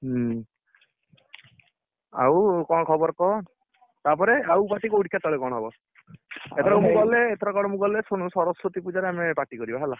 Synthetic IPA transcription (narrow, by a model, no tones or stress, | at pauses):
a̰wkɔɽ̃kʰɔbɔɾkɔɦɔ | t̪apɔɾeawpatikouʈkʰat̪ɔɭekɔɽ̃ɦɔbɔ | et̪ʰɔɾaumuɡɔleːt̪ʰɔɾɔkɔɽ̃ɔmuɡɔlesoɽ̃usɔɾɔsɾot̪ipud͡ʒaɾeamepaʈikɔɾibaɦela